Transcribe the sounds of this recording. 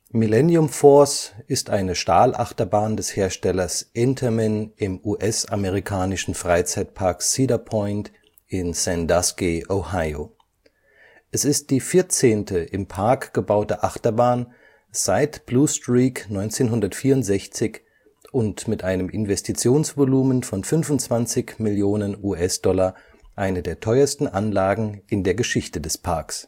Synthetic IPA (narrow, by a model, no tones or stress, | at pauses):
milɛnjʊmfɔɐsʔɪstʔaɪnəʃtaːlʔa̰χtɐbaːndɛsheːɐʃtɛlɐsʔɪntʰɐmɛnɪmuːʔɛsʔameʁ̞ikʰaːnɪʃn̩fʁ̥aɪt͡saɪt̚pʰaɐksiːdɐpʰɔʏnt | ʔɪnsɛndaskiʔohaɪo | ʔɛsɪst̚d̥iːfɪɐt͡seːntəʔɪmpʰaɐkɡ̥əbaʊtəʔaχtɐbaːn | z̥aɪtb̥luːstʁiːknɔʏnt͡seːnɦʊndɐtfiːɐʊntz̥ɛçt͡sɪç | ʔʊntmɪtʔaɪnəmʔɪnvɛstʰit͡sjoːnsv̥oluːmənfɔnfʏnvʊntt͡sv̥ant͡sɪçmɪljoːnənuːʔɛsd̥ɔlɐ | ʔaɪnədeːɐtʰɔʏɐstn̩ʔanlaːɡŋ̩ʔɪndeːɐɡəʃɪçtədɛspʰaɐks